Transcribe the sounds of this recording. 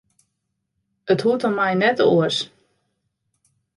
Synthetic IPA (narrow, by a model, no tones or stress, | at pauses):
əthutɔmɛjnɛtoəs